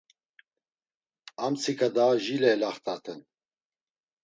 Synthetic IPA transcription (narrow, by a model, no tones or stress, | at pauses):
amt͡sʰikad̪aːʒiːlɛːlaχt̪at̪ʰɨn